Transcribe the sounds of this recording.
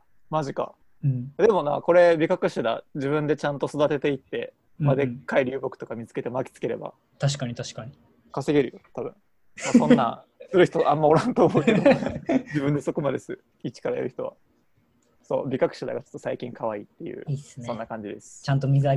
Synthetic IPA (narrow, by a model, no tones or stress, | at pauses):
maʑika̰ | ɯ̃ɴad̪e̞mo̞na̰ko̞ɾe̞bʲikakɯ̟ɕad̪a̰d͡ʑibɯ̟̃nd̪e̞t͡ɕãnt̪o̞so̞d̪at̪e̞t̪e̞it̪ːe̞ | mad̪ekːaiɾʲɯːbokɯ̟̥t̪okamʲit͡sɨ̥ke̞t̪e̞makʲi̥t͡sɨ̥ke̞ɾe̞̰ba̰ | t̪aɕ̬i̥kaɲ̟it̪aɕi̥kaɲi | kase̞ɡʲe̞ɾɯ̟jot̪abɯ̟̃ŋ | asõ̞nːã̰ | sɨɾɯ̟çi̥t̪oʔãmːao̞ɾãnt̪oːmo̞t̪ːe | d͡ʑibɯ̟̃nd̪e̞so̞ko̞mad̪esɨ | it͡ɕi̥kaɾaḛɾɯ̟çi̥t̪o̞βa̰ | so̞̰ːbʲikakɯ̟̥ɕad̪a̰ɡat͡ɕo̞̥t̪ːo̞saikʲĩŋkʰaβaḭːt̪ːe̞jɯ̟̰ːissonːakãɲ̟d͡ʑid̪esɨ̥t͡ɕãnt̪omʲizɨa